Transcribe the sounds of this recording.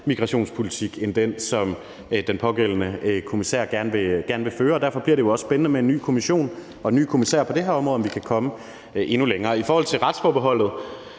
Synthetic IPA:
miɡ̥ʁɑ̈ɕo̝̰ːnspʰo̝lit͡sʰiɡ̥end̥ensɒ̽m | d̥enpʰɒ̽ɡ̥el̰ən̩əkʰo̝misḛɐ̰ɡ̥æɐnəʋe̝ɡ̥æɐnəʋe̝føːɐɒːd̥æɐfɒ̽b̥liɐɾ̥ejo̝ɒ̽ssb̥enənəmee̝nːy̰ːkʰo̝miɕo̝̰ːn | ɒ̽enːy̰ːkʰo̝misɛ̰ɐpʰɒ̽d̥e̝hæɐɒ̽mʁɔðˠɒ̽mʋikʰækʰɒ̽mə | e̝nuleŋɐːifɒːhɒ̽l̰t͡sʰe̝lʁɑ̈d̥sfɒːb̥eɦɒ̽l̰ð̩ˠ

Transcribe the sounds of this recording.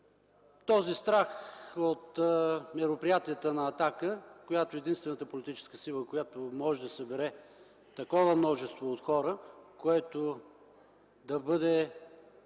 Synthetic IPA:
t̪ɔzist̪ɾaxot̪mɛɾopɾijat̪iət̪ənɐːt̪akəkojat̪oɛd̪inst̪vɛnət̪əpolit̪it͡ʃɛ̥skəsilˠəkojat̪omɔʒɛd̪ɐsɐbɛɾɛ | t̪ɐkɔvəmnɔʒɛst̪voːt̪xɔɾəkoɛt̪o | d̪ɐbɤd̪ɛ

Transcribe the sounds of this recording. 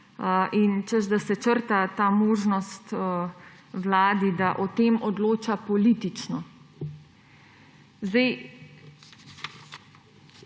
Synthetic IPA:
ʔint͡ʃəzd̪asɛt͡ʃəɾt̪at̪aːmoːʒnɔst̪ː | wlaːd̪id̪aʔɔt̪eːmɔd̪loːt͡ʃapɔliːt̪it͡ʃnɔ | zd̪ɛj

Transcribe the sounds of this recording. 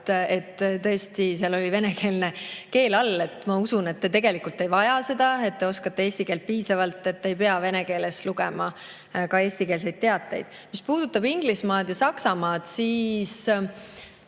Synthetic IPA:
e̞t̪ːt̪ɤe̞st̪iseɑlolive̞neke̞ːlne̞ke̞ːlɑlːe̞t̪ːˑmɑusune̞t̪ːe̞t̪e̞ɡe̞likult̪ːˑe̞jvɑjɑse̞d̪̥ɑe̞t̪̚ːe̞o̞skɑt̪ːe̞e̞ːsʲt̪ikeːlt̪̚piːsɑvɑlt̪ːˑe̞t̪ːe̞jpe̞ɑve̞neke̞ːle̞sluɡḛmɑ | kɑe̞ːsʲt̪ike̞ːlse̞jd̪̥̚t̪e̞ɑt̪ˑːejd̪̥ | mispuːd̪̥ut̪ːˑɑbiŋɡ̥lismɑːd̪̥jɑsɑksɑmɑːd̪̥siːs

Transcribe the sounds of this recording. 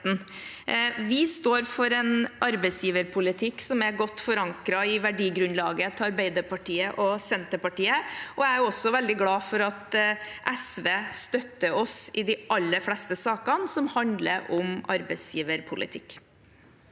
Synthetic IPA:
n | ʋɪst̪oːɾfɔɾɛnʔɑɾbɛɪsjiːʋəɾpʰʊlɪt̪ʰɪksɔmæɡɔt̪ːfɔɾɑŋkɾɑɪʋæɖiːɡɾʉnlɑːɡət̪ʰɪɑɾbeɪd̪əɾpɑʈʰiːəʔɔsɛnt̪əpɑʈiːəʔɔææɾɔsɔʋɛld̪ɪɡlɑːfɔɾɑt̪ʔɛsʋeːst̪œt̪ːəɔsɪd̪ɪʔɑlːəɾflɛst̪əsɑːkɑnsɔmhɑnd̪lə̰ɾʔɔmʔɑɾbɛɪsjiːʋəɾpʰʊlʔɪ̰t̪ʰɪkː

